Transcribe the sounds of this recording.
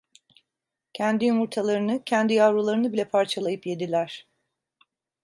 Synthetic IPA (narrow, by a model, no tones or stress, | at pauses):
cʰænd̪ijumuɾt̪ʰalˠaɾɯnɯcʰɛnd̪ijavɾulˠaɾɯnɯbilʲɛpʰaɾt͡ʃʰalˠajɯpje̞d̪ilʲæɾ̥